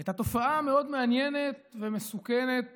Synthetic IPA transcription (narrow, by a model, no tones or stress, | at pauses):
et̪at̪o̞faame̞o̞d̪meanjene̞t̪̚vemesukene̞t̪̚